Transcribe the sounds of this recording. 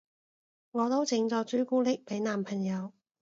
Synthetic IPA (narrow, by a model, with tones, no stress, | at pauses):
ŋɔː˨˧t̪o˥wt͡sɪ˨˧˥ŋt͡sɔː˧t͡ʃɵ˥kuː˥lɪ˥k̚pe˨˥jnaː˨mpʰɐ˨˩ŋjɐ˨˧w